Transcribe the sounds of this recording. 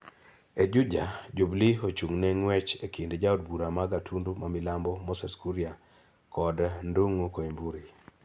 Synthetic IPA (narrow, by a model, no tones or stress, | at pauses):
ed͡ʒud͡ʒad͡ʒubliot͡ʃuŋneŋwɛt͡ʃekindd͡ʒaod̚buɾamaɡatʰundumamilambɔmɔsɛskuɾia | kɔdnduŋukoimbuɾi